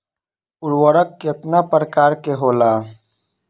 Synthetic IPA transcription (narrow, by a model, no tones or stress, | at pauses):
ulwɐɾəkːet̪napɐɾkaːɾkeɦoːlaː